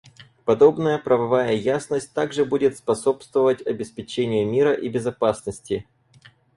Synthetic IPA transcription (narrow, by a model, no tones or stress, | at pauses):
pɐd̪o̞bnəjəpɾəvɐvajəjasnəsʲtʲt̪aɡʐɨbudʲɪt̪spɐso̞pst̪vəvətʲɐbʲɪspʲɪt͡ɕenʲɪjʊmʲiɾəʔibʲɪzɐpasnəsʲtʲɪ